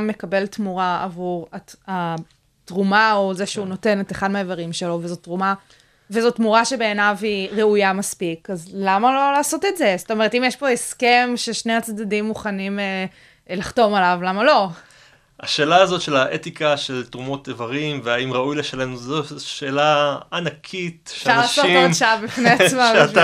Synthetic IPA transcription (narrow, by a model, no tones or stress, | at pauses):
mːe̞kabe̞ltmuʁaa̰vuʁaa | tʁumao̞zeʃeuno̞te̞neteχadmeevaʁimʃelo̞vezotʁuma | vezotmuʁaʃe̞be̞ːnaviʁeujamaspikazlamalo̞laːso̞tetze̞sot̪ome̞etimjeʃpo̞eske̞mʃeʃne̞at͡sdadimːuχanime | laχto̞malavlamalo̞ | a̰ʃe̞ːlaːzo̞t̪ʃe̞laʔet̪ikaʃe̞ltʁumo̞t̪evaʁimveaimʁaujleʃalenuzoʃeːlaːnakʰit̪ʃʃaʁlaʃsotiʃaabifneasma